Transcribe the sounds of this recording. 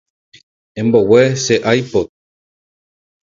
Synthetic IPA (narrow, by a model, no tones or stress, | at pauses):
ẽmbo̞weseʔajpo